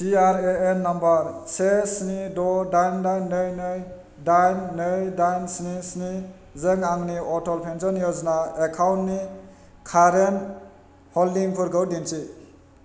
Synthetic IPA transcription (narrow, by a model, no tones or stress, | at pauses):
siaɾeenːambaɾsesnidɔdajndajnːɯjnɯj | dajnːɯjdajnsnisni | zeŋaŋniɔtɔlpʰensɔnjɔznaekʰawntni | kʰaɾen | hɔlːiŋpʰuɾɡəwdint͡ʃi